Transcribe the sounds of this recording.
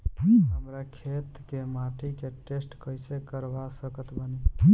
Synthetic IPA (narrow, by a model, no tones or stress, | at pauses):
ɦəmɾakʰet̪kemaʈʰikeʈesʈkəjsekəɾbasəkət̪bəni